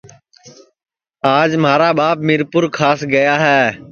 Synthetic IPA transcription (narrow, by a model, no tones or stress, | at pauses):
aːd͡ʒmaːɾaːbaːp̚mɪɾpʊɾkʰaːsɡəjaːɦɛː